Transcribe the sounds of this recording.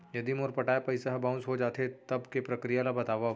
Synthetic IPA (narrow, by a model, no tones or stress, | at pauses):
jɐd̪imʊɾpɐʈaːepɐɪsaɦbãːʊ̃nsɦod͡ʒaːt̪et̪ɐbkepɾɐkɾijalabɐt̪aːʋa